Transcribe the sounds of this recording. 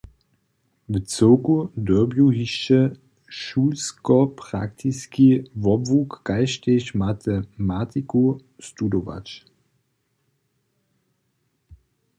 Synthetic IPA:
vət͡sɪʊkudøɐbjuɦiʃt͡ʃə | ʃuːlskɔpʁa̰ktʰiskivɔbvukːaɪʃteɕmatʰəmaːtʰikustudova̰t͡ʃ

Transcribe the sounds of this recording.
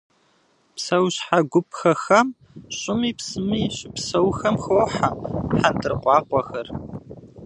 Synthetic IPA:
psɐwɕħaɡʷʊpʰxɐxɐm | ɕʼɪmiːpsɨmiːɕɪpsɐwxɐmxowħaħantʰɨrqʷʼɑːqʷʼɔxɐr

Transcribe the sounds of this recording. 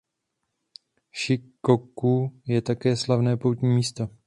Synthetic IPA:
ʃɪkokujɛt̪akɛːslavnɛːpowt̪ɲiːmiːst̪o

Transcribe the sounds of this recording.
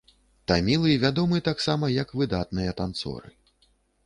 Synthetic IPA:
t̪amʲilˠɨjɐvʲad̪ɔmɨɐt̪aksamɐjɐkvɨd̪at̪̚nɨjɐt̪ant̪sɔ̰ɾɨ̰

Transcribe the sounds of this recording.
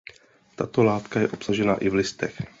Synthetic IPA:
t̪at̪o̞laːt̪kajɛʔo̞psaʒɛna̰ʔɪvlɪst̪ɛx

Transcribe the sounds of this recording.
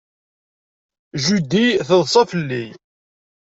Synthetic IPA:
ʒud̪iθəðˤsˤɑfəlːij

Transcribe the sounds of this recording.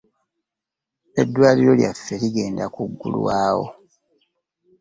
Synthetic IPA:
e̞dːwaːliɾo̞lja̰fːeliɡe̞ːndakuɡːṵlṵwaːwo̰

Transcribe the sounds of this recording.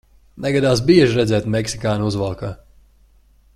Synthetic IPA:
nɛɡad̪aːsbiɛʒɾɛd̪zɛːt̪mɛksikaːnuzvalˠka

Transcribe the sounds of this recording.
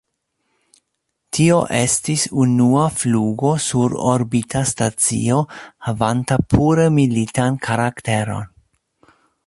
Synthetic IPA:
tʰio̞ʔestisunuafluɡo̞suɾo̰ɾbitʰastat͡sḭo̞havantapʰuɾemilitankʰaɾakte̞ɾo̞̰n

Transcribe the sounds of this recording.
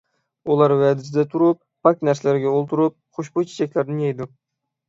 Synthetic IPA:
ulˠɑɾwæd̪ɪs̬ɪd̪ɛt̪ʰʊɾʊp̚ːak̚ʲnæɾslæɾɪɡʲɛolˠt̪ʰʊɾʊp̚χoʃbut͡ʃʰe̥t͡ʃʰakʲlæɾnɪjɛjd̪ʊ

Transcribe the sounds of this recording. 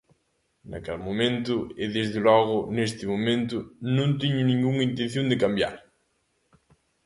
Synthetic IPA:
na̰kalmomẽnt̪ʊɪðezðɪlɔɣʊnest̪ɪmomẽnt̪ʊnõnt̪iɲʊnĩŋɡuŋint̪ẽnθjõnd̪ɪkambja̰ɾ

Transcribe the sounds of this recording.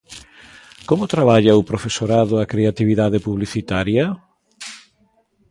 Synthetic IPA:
komʊt̪ɾaβaʎɐʊpɾofesoɾaðʊakɾeat̪iβiðaðepuβliθit̪aɾjɐ

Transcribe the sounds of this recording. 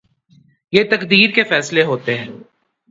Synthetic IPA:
jeːt̪ɐkd̪iːɾkefɛːsleɦoːt̪eɦɛ̃ː

